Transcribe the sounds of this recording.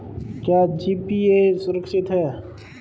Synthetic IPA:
kjaːd͡ʒiːpiesʊɾəkʃɪt̪ɦɛː

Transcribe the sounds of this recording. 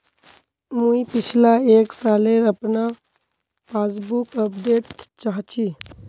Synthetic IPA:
mũipɪt͡ʃʰlaeːksaːleɾəpna | pʰas̬bukəpɖeːʈt͡ʃaɦt͡ʃi

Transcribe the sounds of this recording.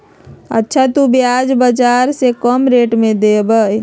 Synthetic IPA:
ə̰tːʃʰat̪ubiad͡ʒbəd͡ʒaɾsekəmɾeʈmẽd̪ebəj

